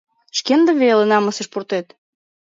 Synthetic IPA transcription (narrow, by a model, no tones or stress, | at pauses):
ʃkend̪ə̆βelenɑmɤ̆seʃpurt̪et̪